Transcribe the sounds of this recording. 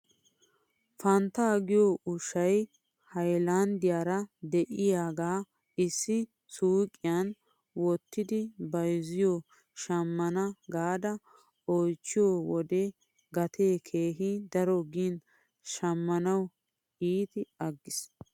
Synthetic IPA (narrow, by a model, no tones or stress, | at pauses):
fɐnt̪aːɡɪjoʔʊʃɐj | hɐjland̪ɪjaːɾɐd̪ɛʔɪjaːɡaː | ɪsːɪ | suːkʼːɪjan | wɔt̪ːɪd̪ɪbɐjzɪjo | ʃɐmːɐnɐɡaːd̪ɐ | ojt͡ʃːɪjɔwɔd̪ɛ | ɡɐt̪ʰeːkʰeːɦid̪ɐɾɔɡiːn | ʃɐmːɐnɐw | iːt̪ɪɐɡːɪs